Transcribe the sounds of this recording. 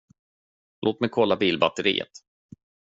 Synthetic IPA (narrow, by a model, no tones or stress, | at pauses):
loːt̪mɛjkʰɔlːabiːlbat̪ːəɾḭːə̰t̪